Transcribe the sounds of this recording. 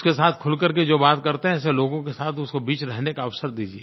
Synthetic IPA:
skesaːt̪ʰkʰʊlkəɾked͡ʒoːbaːt̪kɐɾt̪eɦɛ̃seloːɡõkesaːt̪ʰʊskobiːt͡ʃɾɛɦnekaɐʋsəɾd̪iːd͡ʒieː

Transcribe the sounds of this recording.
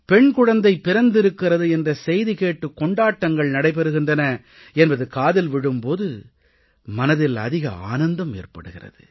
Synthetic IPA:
pɛɳkʊɻɐnd̪ɐɪpːɪɾɐnd̪ɪɾɯkːɪɾɐðɯɛndrɐsɛjðikeːʈːɯkːɔɳɖaːʈːɐŋɡɐɭnɐɽɐɪp̬ɛɾɯɣɪndrɐnɐ | ɛnbɐðɯkaːðɪlʋɪɽɯmpoːðɯ | mɐnɐðɪlɐ̰ðɪɣɐ̰a̰ːnɐnd̪ɐmḛːrpɐ̰ɽɯɣɪrɐ̰ðɯ̰

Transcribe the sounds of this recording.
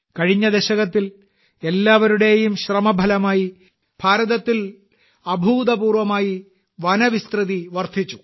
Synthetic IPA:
kɐɻiɲːɐd̪eɕɐɣɐt̪ːil | e̞lːaːʋɐɾuɽe̞jumɕrɐmɐbʱɐlɐmaːji | bʱaːɾɐðɐt̪ːil | ɐbʱuːd̪ɐpuːrʋɐmaːji | ʋɐnɐʋist̪rɨðiʋɐrt̪ʰit͡ɕːu

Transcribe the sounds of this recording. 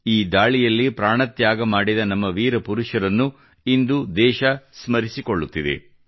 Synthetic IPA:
iːd̪aːɭijɐlːipɾaːɳɐt̪jaːɡɐmaːɽid̪ɐnɐmːɐʋiːɾɐpuɾuʃɐɾɐnːu | ind̪ud̪ɛːʃɐsmɐɾisiko̞ɭːut̪ːid̪ḛ

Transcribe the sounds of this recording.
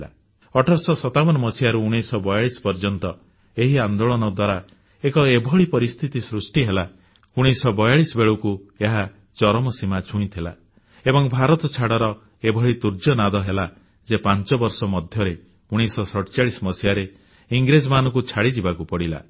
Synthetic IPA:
a̰ | ɔʈʰɔɾsɔsɔt̪abɔnɔmɔsijaɾuːɽ̃esɔbɔjaɭisɔ̥pɔɾd͡ʒɔnt̪ɔ | eɦiand̪oɭɔnɔd̪waɾa | ekɔebʱɔɭipɔɾist̪ʰit̪isɾusʈiɦela | uɽ̃esɔbɔjaɭisɔbeɭukueɦa | t͡ʃɔɾɔmɔsimat͡ʃʰũĩt̪ʰila̰ | ebɔŋbʱaɾɔt̪ɔt͡ʃʰaɽɔɾɔ | ebʱɔɭit̪uɾd͡ʒɔnad̪ɔɦela | d͡ʒepant͡ʃɔbɔɾsɔmɔd̪ʱjɔɾe | uɽ̃esɔsɔʈt͡ʃaɭisɔmɔsijaɾe | iŋɡɾed͡ʒɔmanɔkut͡ʃʰaɽid͡ʒibakupɔɽila̰

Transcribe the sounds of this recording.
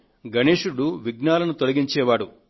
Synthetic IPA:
ɡɐneːʂuɽuʋiɡnaːlɐnut̪olɐɡiɲt͡ʃɛːʋaːɽu

